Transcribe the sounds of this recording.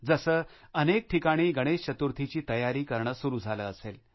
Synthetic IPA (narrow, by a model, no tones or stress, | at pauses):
d͡zəsəːənek̚ʈʰikaɽ̃iːɡʱəɽ̃eɕt͡ɕət̪uɾt̪ʰit͡ɕiːt̪əjaɾiːkəɾɳəsuɾuːd͡zʱaləəsel